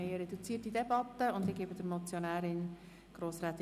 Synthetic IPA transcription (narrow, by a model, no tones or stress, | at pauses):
ejəɾɛdut͡siətdidebɑtːəʊndiɡeːbəd̥əɾmot͡sjonæːɾɪn | ɡ̥ɾoːsraːt̪